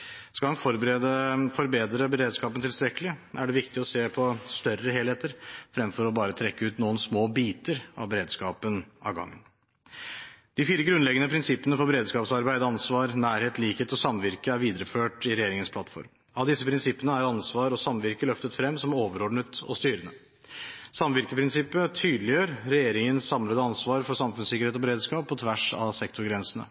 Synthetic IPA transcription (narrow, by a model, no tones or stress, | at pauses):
skɑlhɑnfɔɾəfɔɾbeːd̪ɾəbəɾeːd̪skɑːpənt̪ʰɪlst̪ɾɛkːəlɪæɖɛʋɪkt̪ɪɔseːpʰɔst̪œrːəɦeːleːt̪əɾfɾɛmfɔɾɔbɑːɾət̪ʰɾɛkːəʉːt̪nuːənsmoːbiːt̪əɾɑ̰ʋbəɾeːd̪skɑːpənɑ̰ɡɑ̰ŋːə̰n | d̪̥ɪfiːɾəɡɾʉnlɛɡənəpʰɾɪnsɪpːənəfɔɾbəɾeːd̪skɑːpsɑɾbæɪd̪əɑnsʋɑːɾnæːɾheːt̪ʰliːkheːt̪ɔsɑmʋɪɾkəæɾʋiːd̪əɾəføːʈɪɾɛjeːɾɪŋənspʰlɑt̪fɔ̰ɾm | ɑʋd̪ɪsːəpʰɾɪnsɪpːənəæɾɑnsʋɑːɾɔsɑmʋɪɾkəlœft̪ət̪fɾɛmːsɔmoːʋəɾɔɖɳət̪ɔ̰st̪yːɾənə | sɑmʋɪɾkəpʰɾɪnsɪpːət̪ʰyːd̪lɪjøːɾɾɛjeːɾɪŋənsɑmləd̪əɑnsʋɑːɾfɔɾsɑmfʉnsɪkːəɾheːt̪ɔbəɾeːd̪skɑːppʰːɔt̪ʰʋæʂɑ̰sɛkt̪ʊɾɡɾɛnsənə̰